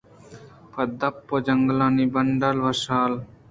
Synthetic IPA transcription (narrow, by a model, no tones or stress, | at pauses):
pʰɐd̪ɐpːod͡ʒɐŋɡlaːnibɐɳɖəlʋɐʃaːl